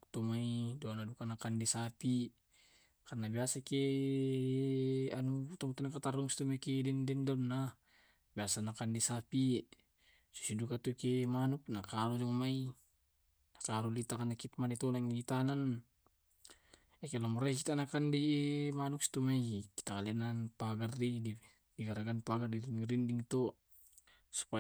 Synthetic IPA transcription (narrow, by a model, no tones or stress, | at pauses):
t̪umaidɔnadukanakandisapi | karnabiasake | anut̪ɔŋt̪anakat̪aɾuŋsi̥t̪umaikidɛndɛndɔnːa | biasanakandisapi | su̥sidukat̪ukemanuk̚nakaɾudɔŋmai | nakaɾulit̪akanakit̪manit̪ɔlaŋit̪anan | ɛkelamuɾak̬it̪anakandimanuksi̥t̪umaiki̥t̪aŋalinanpaɡardidi | diɡaɾaɡanpaɡardiɾindiŋt̪ɔ | su̥pa